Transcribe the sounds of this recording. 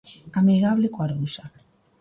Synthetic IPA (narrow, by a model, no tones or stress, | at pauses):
amiɣaβ̞lekwaɾowsa